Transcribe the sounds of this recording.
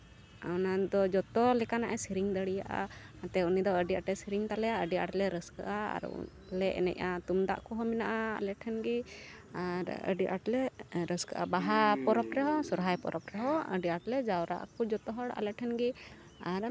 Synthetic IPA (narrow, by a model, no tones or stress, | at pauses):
a̰wnad̪ɔd͡ʒɔt̪ɔlɛkanaʔɛsiɾiŋd̪əɽijaʔa̰at̪ɛunid̪ɔəɖiaʈɛsiɾiŋt̪alɛaəɖiaʈlɛɾəska̰ʔaa̰ɾṵ | lɛʔɛ̰nɛ̰cat̪umd̪a̰ʔkɔɦɔmɛnaʔaa̰lɛʈʰɛnɡi | aɾə̰ɖiʔaʈlɛɾəskə̰ʔa̰baɦapɔɾɔpɾɛɦɔsɔɾɦajpɔ̰ɾɔpɾɛɦɔə̰ɖiaʈlɛd͡ʒawɾaʔa̰kɔd͡ʒɔt̪ɔɦɔɽa̰lɛʈʰɛnɡi | aɾ